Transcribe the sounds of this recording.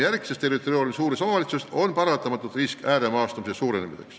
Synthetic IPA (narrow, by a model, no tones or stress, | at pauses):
jærɡ̥i̥sest̪ːeit̪oɾiorʲmisuːɾesomɑvɑlit̪sust̪o̞npɑɾɑt̪ɑmɑt̪ːˑud̪riskæːɾemɑːst̪umisesuːɾenemḭsḛks